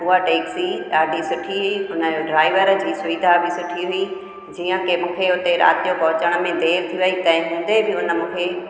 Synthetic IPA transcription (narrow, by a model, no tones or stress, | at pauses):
uaʈeːksiaːɖisʊʈʰiɦʊiʊnəoɖɾaːɪʋəɾəd͡ʑiːsʊʋid̪ʱabʱɪsʊʈʰiɦʊi | d͡ʑiːə̃kemũːkʰeʊt̪eɾa̰ːt̪ijopɐɦʊt͡ɕəɽ̃mẽd̪eːɾt̪ʰiʋɐɦit̪ɐ̃ɦɪ̃ɦũːnd̪ebʱɪʊnə̆mũːkʰeː